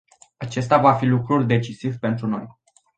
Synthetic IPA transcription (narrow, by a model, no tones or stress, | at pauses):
at͡ʃe̞st̪avafilukɾurʲd̪e̞t͡ʃisivpe̞nt̪ɾuno̞̰j